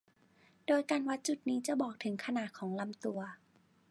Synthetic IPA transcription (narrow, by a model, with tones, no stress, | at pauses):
doː˧˩jka˧nwa˦˧˥t̪̚t͡ɕu˨˩t̪̚niː˦˥t͡ɕa˨˩bɔː˨˩k̚t̪ʰɯ˩˦ŋkʰa˧naː˨˩t̪̚kʰɔː˩˦ŋla˧mt̪u˧ɐ